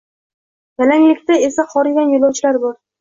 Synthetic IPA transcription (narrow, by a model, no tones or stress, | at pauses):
ɡalaŋlɪkʲt̪ae̞saχɒɾɪɡʲanjolˠɒwt͡ʃʰɪlaɾbɒɾ